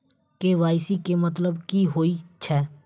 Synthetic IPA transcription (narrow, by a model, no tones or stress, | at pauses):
keʋaːɪsikemɐt̪ləbkiɦoːit͡ʃʰɛː